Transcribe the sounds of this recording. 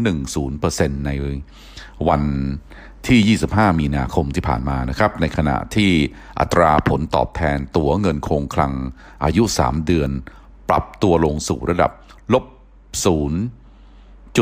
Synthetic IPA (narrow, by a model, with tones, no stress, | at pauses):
nɯ˨˩ŋsuː˩˦npɤː˧se˧nːa˧j | wa˧n | t̪ʰiː˥˩jiː˥˩si˨˩p̚hɦaː˥˩miː˧naː˧kʰo˧mt̪ʰiː˥˩pʰa̰ː˨˩nmaː˧na˦˥kʰa˦˥p̚na˧jkʰa˧na̰˨˩ʔt̪ʰiː˥˩ | ʔa̰˨˩t̪ːɾaː˧pʰo˩˦nt̪ɔ̰ː˨˩p̚t̪ʰɛː˧nt̪u˩˦ɐŋɤ˧nkʰoː˧ŋkʰla˧ŋ | ʔaː˧ju˦˥ʔsa̰ː˩˦mdɯ˧ən | pɾa̰˨˩p̚t̪u˧ɐlo˧ŋsṵː˨˩ɾa˧da̰˨˩p̚ | lo˦˥p̚ | suː˩˦n | t͡ɕu˨˩